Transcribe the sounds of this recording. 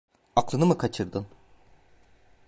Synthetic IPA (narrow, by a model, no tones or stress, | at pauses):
aklˠɯnɯmɯkʰat͡ʃʰɯɾd̪ɯn